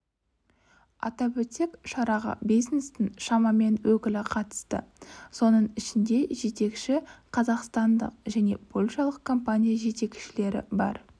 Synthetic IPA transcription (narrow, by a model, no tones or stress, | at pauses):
ɑ̰t̪ɑbɵt̪e̞kʃɑɾɑʁə̰bijznest̪ɪnʃɑmɑme̞nwɵkʲɪlɪqʰɑt̪ə̥st̪ə̰so̞nəɴɪʃɪnd̪e̞ʒe̞t̪e̞kʃɪqʰɑzɑqst̪ɑnd̪ə̰q̚ʒæne̞bʰo̞lʲʃɑlˠəq̚kʰo̞mpanʲijaʒe̞t̪e̞kʲʃɪle̞ɾɪ̰bɑ̰ɾ